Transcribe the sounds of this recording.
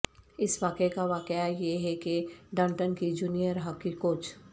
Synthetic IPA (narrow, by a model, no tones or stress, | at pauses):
ɪsʋaːkekaʋaːkeajeɦɛkeɖãːɳʈənkid͡ʒuːnijəɾɦakːikoːt͡ʃʰ